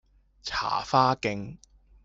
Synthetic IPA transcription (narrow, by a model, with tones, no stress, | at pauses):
t͡sʰa̰ː˨˩faː˥kɪ˧ŋ